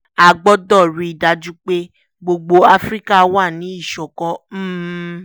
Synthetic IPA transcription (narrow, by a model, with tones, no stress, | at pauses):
a˨ɡ͡bɔ˦dɔ˦˨ɾi˨˧i˨da˧d͡ʒu˦k͡pe˦ | ɡ͡bo˧ɡ͡bo˧a˦fɾi˦ka˦˧˦wa˦˨nĩ˨˦i˦˨ʃɔ˨kɔ̃˦m̩˦˨